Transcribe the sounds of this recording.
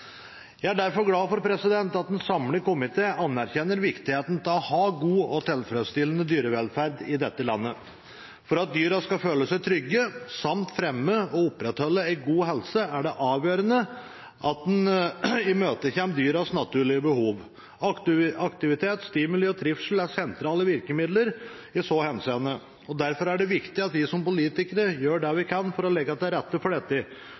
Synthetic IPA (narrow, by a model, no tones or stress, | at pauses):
jæɪæɖæɾfɔɾɡlɑːfɔɾpʰɾɛsɪd̪ɛnt̪ɑt̪̚d̪ɛnsɑmləkʊmɪt̪ʰeːɑnːæɾçɛnːəɾʋɪkt̪ɪheːt̪n̩t̪ʰlɔhɑːɡuːɔt̪ʰɛlfɾøːst̪ɪlːənəd̪yːɾəʋɛlfæɾd̪ɪd̪ɛt̪ːəlɑnːə | fɔɾɑt̪̚d̪yːɾɑskɑføːləsæɪt̪ʰɾʏɡːəsɑmt̪fɾɛmːəɔʊpːɾɛt̪hɔlːəæɪɡuːɦɛlsəæɖɛʔɑːʋjøːɾənə | ʔɑt̪̚d̪ɛnɪmøːt̪əçɛmpd̪yːɾɑsnɑt̪ʰʉːɭɪəbəhuːʋ | ɑɑkt̪ɪʋɪt̪ʰeːt̪st̪ɪməlɔt̪ʰɾɪfʂl̩æɾsɛnt̪ɾɑːləʋɪɾkəmɪd̪ləɾ | ɪsɔhɛnseːənə | ɔd̪æɾfɔɾæɖɛʋɪkt̪ɪɑt̪ʋɪsɔmpʊliːt̪ɪkəɾəjøːɖɛʋɪkʰɑnfɔɾɔlɛɡːɑt̪d̪ɛæɾɛt̪ːəfɔɖɛt̪ːɪ